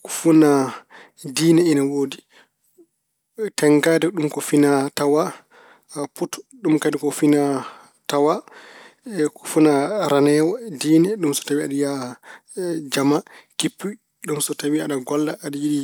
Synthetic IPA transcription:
ku̥funa | diːnɛɛnawoːdi | tɛŋɡadɛɗumkɔfinatawa | putɗumkadikɔfina | tawa | kufunaɾanɛːwadiːnɛɗumsɔ̥tawiaɗija | d͡ʒamakipːu | ɗumsɔtawiaɗaɡɔlːaʔːɗijiɗi

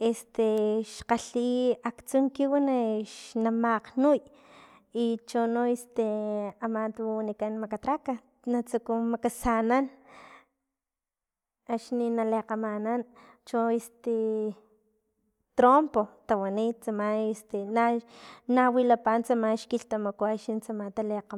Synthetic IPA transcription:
est̪eʃqaɬiakt͡suŋkiwaneʃnamaqnuj | it͡ʃonoest̪eamant̪anikanmakat̪ɾaka | nat͡sukumakasanan | aʃninaleqamanan | t͡ʃoest̪e | t̪ɾompot̪awanit̪̚t͡samaest̪enanawilapant͡samanʃkilt̪amakoaʃint͡samant̪aleqa

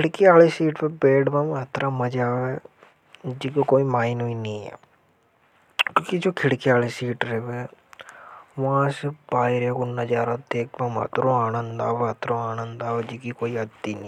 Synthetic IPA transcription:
kʰɪɽkiaːleːsiːʈpebeːɖbãːmɦɐt̪ʰɾaːməd͡ʒaːʋe | d͡ʒikokoːimaːinɦoːinĩːɛ̰ː | kõːkid͡ʒoːkʰɪɽkiaːlesiːʈɾɛʋe | ʋãːsebaːiɾeɡʊnːad͡ʒaːɾad̪eːk̚bãːmɐ̰t̪ɾõːaːnə̃nd̪aːʋeɦət̪ɾõːaːnənd̪aːʋed͡ʒiːkikoːiɐd̪iːnĩ

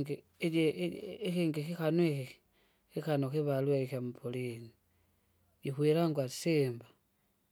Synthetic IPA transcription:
i | exiːŋɡixixanwexi | xixanoxiβalweixamupʰolini | jixwilaŋɡwḁsiːmba

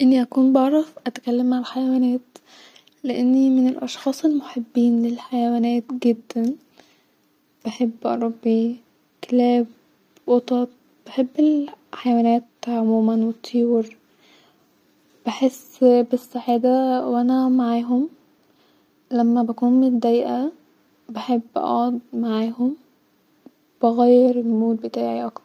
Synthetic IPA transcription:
ʔenːiʔækuːnbɑʕɾˤɑfʔæt̪æ̥kælːæmːaʕalħajæwæːnæːt̪ | leʔenːimenelʔɑʃxɑːsˤelmoħebːiːnlelħajæwæːnæːt̪ɡed̪ːæn | b̥eħebːʔɑ̰ɾˤɑbːi | kelæːb | wot̪ˤɑt̪̚ | b̥eħebːelħajæwæːnæːt̪ʕomuːmænwet̪ʰːijːɾ | b̥eħesːbesːaħed̪æwʔænæmaʕaːɦom | læmːæbækuːnmend̪ːæjʔæ | beħebːʔɑ̰ʕod̪̚maʕaːhom | b̥eɣæjːeɾelmoːt̪̚bet̪aːʕiʔɑk̪ɑɾ

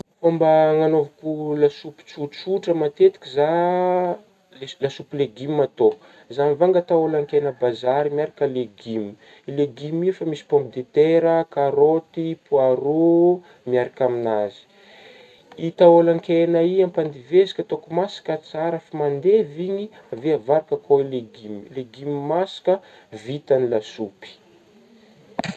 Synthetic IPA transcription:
fombəŋanovakulasupu̥t͡sut͡suʈ͡ʂəmat̪et̪i̥kʲiza | llasupileɡimːat̪o | zanivaŋɡat̪aolaŋkenəbazaɾimiaɾakʲəleɡimi | leɡimifamisi̥pɔmpid̪et̪eɾəkaɾot̪ipuaɾu | miaɾakaminazi̥ | it̪aolaŋkenəiampand̪ivezi̥kʲət̪okumasḁkʲət͡saɾafimand̪eviɲi | aveavaɾakəkʰoileɡimleɡimimasḁkəvit̪anilasupi̥

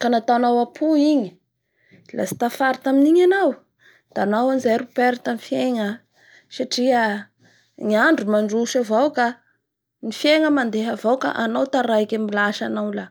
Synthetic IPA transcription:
kanat̪awnawapʰuiɲi̥ | la̰si̥t̪afaɾit̪aminiɲanaw | d̪̥aanawanizejɾupeɾt̪anifjeŋə | saʈ͡ʂiə | ŋiaɳɖ͡ʐumaɳɖ͡ʐuʃavawka | nifeŋəmand̪eɦavawka̰ʔanawt̪aɾajkʲamilaʃanawla

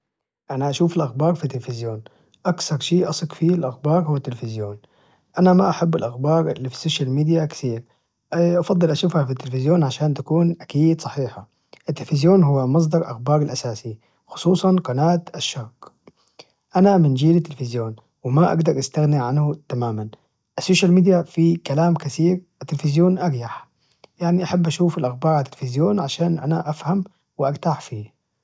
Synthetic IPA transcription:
ʔanaʔaʃuːfalʔaxbɑːɾˤfit̪ːɪlfɪzjoːn | ʔakθɑɾˤʃiːʔɑsˤɨkfialʔaxbɑːɾˤhʊwːat̪ːɪlfɪzjoːn | ʔanamaʔaħabːɪlʔaxbɑːɾˤlifi̥soːʃalmiːd̪jakɪ̥θiːɾ | ʔɑfɑd̪ˤːɨlʔaʃuːfhafit̪ːɪlfɪzjoːnʕaʃaːnt̪akuːnʔakiːd̪sˤɑħiːħa | ʔɪt̪ːɪlfɪzjoːnɦʊwːamɑs̬ˤd̪ˤɑɾˤʔa̰xbɑːɾˤɪlʔasaːsi | xʊ̥sˤuːsˤɑnqɑnaːt̪ʔaʃːaːk | ʔanamɪnd͡ʒiːlɪt̪ːɪlfɪzjoːn | wɪmaʔa̰ɡd̪ɑɾˤʔast̪aɣniʕanhʊt̪amaːman | ʔasːoːʃalmiːd̪jafikalaːmkaθiːɾʔɪt̪ːɪlfɪzjoːnʔɑɾjaħ | jaʕniʔaħabːʔaʃuːfalʔaxbɑːɾʕalat̪ːɪlfɪzjoːnʕaʃaːnʔa̰naʔafham | wɪʔaɡt̪aħfiː

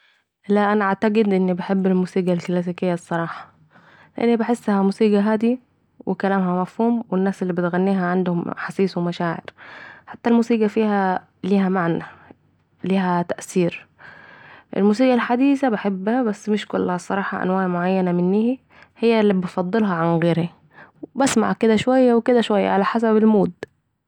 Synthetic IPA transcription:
læʔʔænaaʕt̪aɡɪd̪ʔɪnːibɪħebːelmuːsiːɡalklæs̬iːkɪjːæsˤːɑɾˤɑːħɑ̥ | leʔɪnːibaħesːhæmuːsiːɡæɦaːd̪i | wɪkælæːmhæmæfhuːmwɪnːaːselːiːbɪt̪ɣænːiːɦæʕand̪hʊmħɑsiːswemæʃaːʕɪ̰ɾħat̪ːælmuːsiːɡæfiːhæ | liːhæmaʕnæ | liːɦæt̪æʔsiːɾ | ʔḛlmuːsiːɡɑlħad̪iːsæbaħebːhæbæsːmɪʃkʊlːhæsˤɑɾˤɑːħɑʔa̰nwaːʕmoʕajːænæmɪnːiːhi | hejːælːibet̪fɑd̪ˤːɨlɦɑʕanɣeːɾhæ | wbæsma̰ʕked̪æʃowæjːæweked̪æʃwæjːa̰ʕalæħasæbelmuːd̪

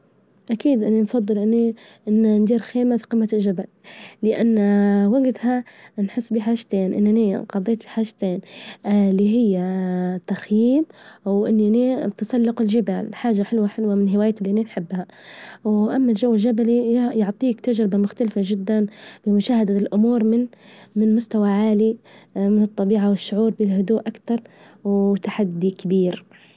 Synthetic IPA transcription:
ʔakiːd̪ʔɪnːinfɑd̪ˤːɨlʔɪnːiʔɪnːand̪iːɾxeːmafi̥qɨmːaɪlʒabalːɪʔa̰nːwaɡt̪hanħɪsːbiːħaːʒt̪eːnʔɪ̰nːʔaniqɑd̪ˤeːt̪fi̥ħaːʒt̪eːn | lːiɦɪjːat̪axjiːbwʔɪnːʔnit̪asalːʊqɪlʒɪbaːlħaːʒaħɪlwaħɪlwamɪnɦɪwaːjt̪ɪliʔaninħɪbːha | wʔamːalʒawːɪlʒabalijʊʕt̪ˤiːkt̪ad͡ʒɾɪbamʊxt̪alfaʒɪd̪ːanb̥ɪmʊʃaːhad̪alʔʊmuːɾmɪnmɪnmʊst̪awaʕaːlimɪnɨt̪ˤːɑbiːʕawɪʃːʊʕuːɾˤbɪlɦʊd̪uːʔʔakt̪ɑɾˤ | wt̪aħad̪ːikabiːɾ

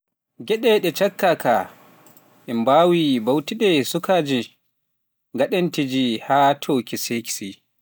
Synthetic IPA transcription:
ɡɛɗɛɗɛt͡ʃakːaka | ʔɛmbaːwibawtiɗɛsukaːd͡ʒi | ɡaɗantid͡ʒihatʰoːkiseki̥si

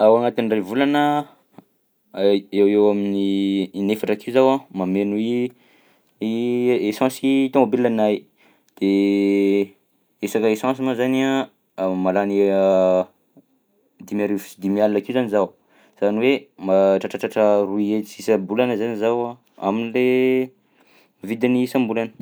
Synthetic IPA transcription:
awaŋat̪inrevulanə | ewewaminiːnefaʈ͡ʂakiuzawãmamenui | esɑ̃sit̪omabellanaj | d̪̥e | esakaesɑ̃simazaniã | malani | d̪imaɾivu̥d̪imialinakiuzanizaw | z̥aniwemaʈ͡ʂaʈ͡ʂaʈ͡ʂaʈ͡ʂəruiet͡sisambulanəzanizawã | a̰minile | vid̪inisãmbulanə̥

